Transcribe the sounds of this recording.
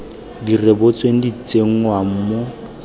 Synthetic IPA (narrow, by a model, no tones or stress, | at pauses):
direbot͡sʼweŋ̩dit͡seŋ̩wam̩mʊ